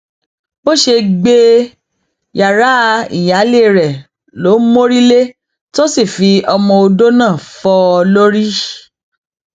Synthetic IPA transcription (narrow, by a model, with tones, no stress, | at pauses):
bo˦ʃe˧ɡ͡be˧ | ja˨ɾa˨˦˧ḭ˨ja˨˦le˦˨ɾɛ˨ | lo˨˦mo˦ɾi˦le˦ | to˦si˦˨fi˧ɔ˧mɔ̃˧o˧do˦nãː˦˨fɔ˧lo˦ɾi˦